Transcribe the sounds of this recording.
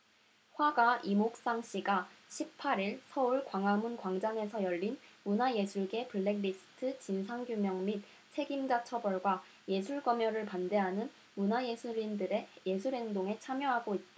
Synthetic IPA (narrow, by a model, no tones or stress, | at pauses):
ɸwaɡaʔimok̚s͈aŋɕ͈ʰiɡaɕʰip̚pʰːaɾiɭsʰʌuɭkwaŋamunkwaŋd͡ʑaŋe̞sʰʌjʌʎːinmunaje̞sʰuɭɡe̞pɯɭːe̞ɡɾisʰɯ̥tʰɯt͡ɕinsʰaŋɡjumjʌŋmit̚ | t͡ɕʰe̞ɡimd͡ʑat͡ɕʰʌbʌɭɡwa | je̞sʰuɭɡʌmjʌɾɯɭpande̞ɦanɯn | munaje̞sʰuɾindɯɾeje̞sʰuɾɦe̞ŋdoŋe̞t͡ɕʰamjʌɦaɡoit̚t͈a